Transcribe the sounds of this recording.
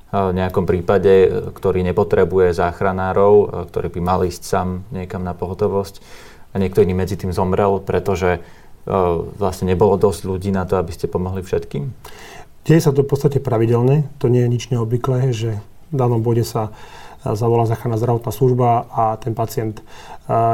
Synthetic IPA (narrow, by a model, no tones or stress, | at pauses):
vɲɛakɔmpɾiːpaɟɛkt̪ɔɾiːɲɛpɔt̪ɾɛbujɛzaːxɾanaːɾɔʊkt̪ɔɾiːbimaliːscsaːmɲɪɛkamnapɔɦɔt̪ɔʋɔsc | aɲɪɛk̚t̪ɔiniːmɛd͡zit̪iːmzɔmɾɛlpɾɛt̪ɔʒɛ | ʋlasɲɛɲɛbɔlɔd̪ɔzɟʎuɟiːnat̪ɔabiscɛpɔmɔɦlifʃɛt̪kiːm | ɟ̥ɛjɛsat̪̬ɔfpɔtt͡st̪acɛpɾaʋiɟɛlɲɛt̪ɔɲɪɛjɛɲid͡ʒɲɛɔbʋiklɛːʒɛ | vd̪aːnɔmbɔɟɛsa | zaʋɔlaːzaːxɾanːaːzd̪ɾaʋɔt̪naːsluʒbaat̪ɛnpat͡sɪɛnt̪